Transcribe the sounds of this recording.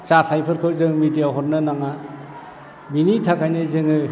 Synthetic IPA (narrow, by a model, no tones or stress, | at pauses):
t͡ʃasʰajpʰɯɾkʰɯɾzɯŋmidijaɦɔɾnɯnaŋa | binitʰakajnɯzɯŋɯ